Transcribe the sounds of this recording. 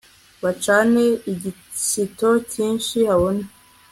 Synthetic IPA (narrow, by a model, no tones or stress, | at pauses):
βat͡ʃaːneiɟi | sito̞ciːnʃihaβone